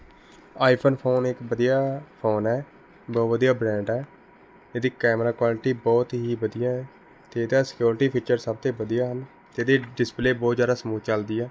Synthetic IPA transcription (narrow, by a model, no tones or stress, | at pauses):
aːipʰənpʰoːnɪkbəd̪ijaːpʰoːnɛː | bɔːʋəd̪ijaːbɾɛ̃ːɳɖɛː | ed̪iːkɛːmɾaːkwaːlʈiːbɔːt̪ɦiːbəd̪ɪjãːɛː | t̪eːed̪aːsɪ̥kjoːɾɪʈiːpʰiːt͡ʃəɾsəb̚t̪eːbəd̪ijaːɦən | t̪eːd̪eːɖɪspleːbɔːt̪zjaːd̪aːsəmuːt͡ʃəld̪iːɛː